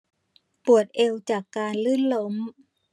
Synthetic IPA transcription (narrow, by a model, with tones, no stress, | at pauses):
pu˨˩ət̪̚ʔe˧wt͡ɕaː˨˩kːaː˧nlɯː˥˩˨nlo˧˥m